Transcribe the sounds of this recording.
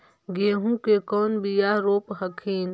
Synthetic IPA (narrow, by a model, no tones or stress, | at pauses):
ɡeːɦũkekɔːnbijaɾoːpɦəkʰiːn